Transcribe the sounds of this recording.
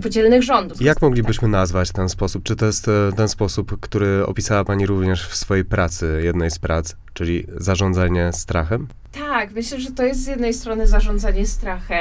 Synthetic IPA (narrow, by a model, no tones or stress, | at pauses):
pɔd͡ʑelnɘɣʐɔnd̪ujakmɔɡlʲibɘɕmɘnazvat͡ɕt̪ɛnspɔsup̚t͡ʂɘt̪ɔjɛst̪t̪ɛnspɔsupkt̪uɾɘɔ̰pʲisawapaɲiɾuvɲɛʂfsfɔjejpɾat̪sɘjɛd̪nɛjspɾat̪s | t͡ʂɘlʲizaʐɔnd̪zaɲɛst̪ɾaxɛm | t̪akmɘɕlɛʐɛt̪ɔjɛst̪zʲjɛd̪nɛjst̪ɾɔnɘzaʐɔnd̪zaɲɛst̪ɾaxɛ